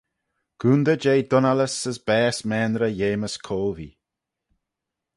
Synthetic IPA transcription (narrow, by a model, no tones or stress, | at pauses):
ɡ̥uːnd̪əd͡ʒejd̪ʊnaləsəsbɛːsmɛːnɾəjeːməskʰoːlvḭː